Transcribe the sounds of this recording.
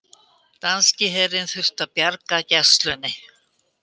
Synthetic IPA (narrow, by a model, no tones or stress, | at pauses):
t̪anscɪɦɛɾɪnθʏr̥t̪apjaɾkacɛ̥st̪lʏnːɪ